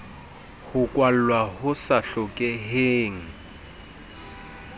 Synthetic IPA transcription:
hʊkʼwal̩lwahʊsaɬɔkʼɛɦeːŋ̩

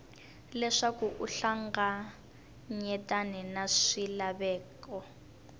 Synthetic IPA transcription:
lɛʂakuʔuɬaŋɡa | ɲɛtʼanɛnaʂilaβɛːkɔ

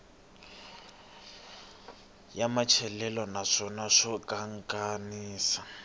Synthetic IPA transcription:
jamat͡ʃʰɛlɛlɔnaʂɔnaʂɔkʼaŋkʼaniːsa

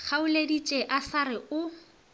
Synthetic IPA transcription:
χʰaʊledit͡ʃʼeʔasaɾɪʊ

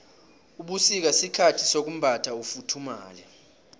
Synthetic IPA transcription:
uɓusik̬asikʰatʰisok̬um̩bʱatʰaufutʰuma̰ːlɛ

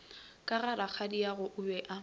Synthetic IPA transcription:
kʼaɣaɾak͡xʰadiaɣʊʔʊbɛʔa

